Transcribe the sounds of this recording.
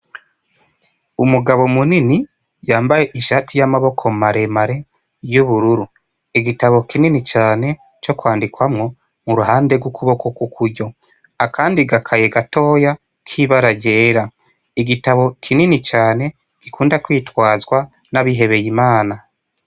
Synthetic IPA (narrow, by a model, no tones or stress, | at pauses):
umuɡaβo̞munini | jaːmbaje̞ʔiʃaːtijamaβo̞kʰo̞maɾe̞maɾe̞ | juβuɾuɾu | iɡitaβo̞kininit͡ʃaːne̞ | t͡ʃo̞kwaːndikwamŋo̞ | muɾuhaːnde̞ɡukuβo̞kokukʰuɾɟo̞ | akʰaːndiɡakʰaje̞ɡato̞ːja | kʰiβaɾaɟe̞ːɾa | iɡitaβo̞kʰininit͡ʃaːne̞ | ɡ̥ikʰuːndakwiːtwaːzɡwa | naβiɦe̞βe̞jimaːna